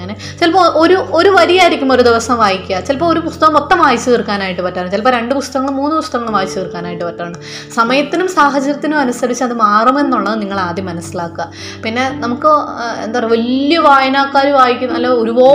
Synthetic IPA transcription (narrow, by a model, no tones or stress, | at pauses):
ŋːne | t͡ɕelpoʔo̞ɾuo̞ɾuʋɐɾijaːjiɾikʲːumo̞ɾud̪iʋɐsɐmʋaːjikʲːat͡ɕelpoːoɾupust̪ɐɣɐmot̪ːɐmʋaːjit͡ɕːɨɣirkːaːnaːjiʈːɨpɐtːaːrɳɨt͡ɕelp̬oːɾe̞ɳɖɨpust̪ɐɣɐːɐɭɨmuːnːɨpust̪ɐɣɐŋːɐɭɨmʋaːjit͡ɕːɨkirkːaːnaːjiʈːɨpɐtːaːɳɨ | sɐmɐjɐt̪ːinumsaːɦɐd͡ʑɐɾɐt̪ːinumɐnusɐɾit͡ɕːɐðɨmaːrɐme̞nːuɭːɐniŋːɐɭaːd̪jɐmːɐnɐsːilaːkːɨa | pinːe̞nɐmukːɨḛnd̪ajrʋɐlijɐʋaːjɐnaːkːaːɾuʋaːjikʲːunɐlːoːoɾuʋoː